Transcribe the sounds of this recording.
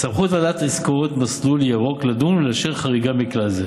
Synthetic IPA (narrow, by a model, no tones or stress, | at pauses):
samχut̪vadat̪eskoʁot̪masluljaʁo̞klad̪umleaʃeʁχaʁiɡamiklaze